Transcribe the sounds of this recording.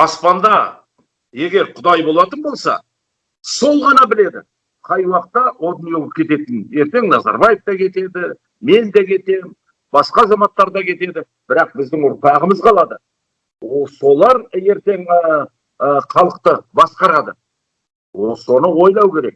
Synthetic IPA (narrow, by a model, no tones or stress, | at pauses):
ɑspɑnd̪ɑ | je̞ɡʲe̞ɾqʰʊd̪ɑjbo̞lˠɑt̪ənbo̞lˠsɑ̰ | so̞lˠʁɑnɑbɪle̞d̪ɪ̰ | qʰɑjwɑq̚t̪ːɑod̪əmjolˠəp̚kʲʰe̞t̪e̞t̪ɪne̞ɾt̪e̞ŋnɑzɑ̰ɾbɑjeft̪ɑkʲʰe̞t̪e̞d̪ɪ | me̞nd̪ekʲʰe̞t̪e | bɑsqɑːzɑmɑt̪ːɑɾd̪ɑkʲʰe̞t̪e̞d̪ɪ | b̥ɪɾɑq̚bɪzd̪ɪŋʊɾpʰɑʁəməzqʰɑlˠɑd̪ə | so̞lˠɑɾe̞ɾt̪e̞ŋ | χʰɑlˠəqt̪əbɑsqɑɾɑd̪ə | so̞nəwo̞jlˠɑwkʲe̞ɾe̞k̚